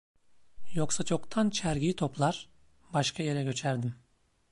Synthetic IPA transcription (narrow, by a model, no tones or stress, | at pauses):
joksat͡ʃʰo̞kt̪ʰant͡ʃʰæɾɡit̪ʰo̞plˠaɾ | baʃkʰaje̞ɾɛɡø̞t͡ʃʰæɾd̪im